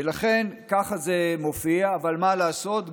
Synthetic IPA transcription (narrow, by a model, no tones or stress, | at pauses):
laχe̞nkaχaze̞mo̞fiaːvalmalaːso̞t̪